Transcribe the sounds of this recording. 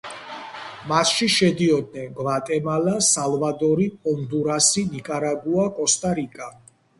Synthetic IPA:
masʃiʃɛd̪iɔd̪̚nɛnɡvat̪ʼɛmalasalvad̪ɔɾipʼɔnd̪uɾasinikʼaɾaɡuakʼɔst̪ʼaɾikʼa

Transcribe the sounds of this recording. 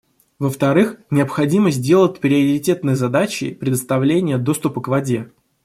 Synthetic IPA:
vəft̪ɐɾɨxnʲɪəpxɐdʲiməzʲdʲe̞lˠət̚ʲpɾʲɪɐɾʲɪtʲe̞t̪nɨjzɐd̪at͡ɕɪ̰pɾʲɪd̪əst̪ɐvlʲenʲɪjəd̪o̞st̪ʊpəkvɐdʲe̞

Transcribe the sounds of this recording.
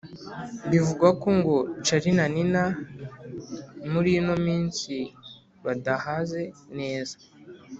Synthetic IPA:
bivuɡako̞ŋɡo̞t͡ʃaɾinanina | muɾino̞miːnsi | βadahaze̞ne̞ːzḁ

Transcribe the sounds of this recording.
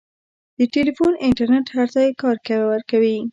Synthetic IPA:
d̪̥əʈelifunɪɳʈaɾneʈhaɾt̪ajekɑɾkawawəɾkawi

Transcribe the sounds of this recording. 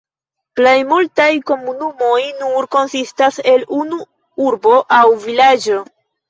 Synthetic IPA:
plejmultajko̞munumo̞jnuɾko̞nsistase̞lunu | uɾbo̞ʔawvilad͡ʒo

